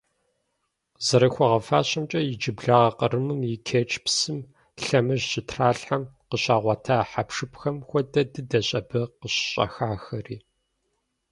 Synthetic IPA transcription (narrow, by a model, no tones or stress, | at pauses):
zɐɾɐxʷɔʁɐfaːɕɐmt͡ʃʼɐjɪd͡ʒɪbɮaːʁɐqərɨmɨmjɪkʰeːt͡ʃʼpsɨm | ɬɐmɨʒɕɪtʰraːɬħɐmqəɕaːʁʷɑtʰaːħapʂɨpxɐmxʷɔdɐdɨdɐɕʼɐbɨqəɕɕʼɐ̰xaːxɐriː